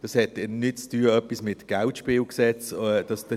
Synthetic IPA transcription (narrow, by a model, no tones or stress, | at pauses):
d̥ɑshɛtɛnɪt̚t͡styːəœpismɪtɡ̥altʃpɪːlksɛt͡sːd̥ɑsd̥ə